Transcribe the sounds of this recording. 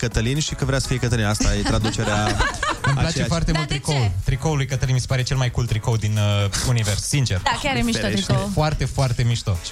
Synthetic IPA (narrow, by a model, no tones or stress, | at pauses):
kət̪əlinʃikəvɾeasə̥fijekət̪əlinast̪ajet̪ɾad̪ut͡ʃeɾeamimplat͡ʃefoart̪emult̪ːɾikowt̪ɾikowulujkət̪əlinmisepaɾet͡ʃe̞lmajkult̪ːɾikowd̪inuniverssint͡ʃe̞rakaɾemit̪oɾikeofoart̪e̞foart̪e̞miʃt̪o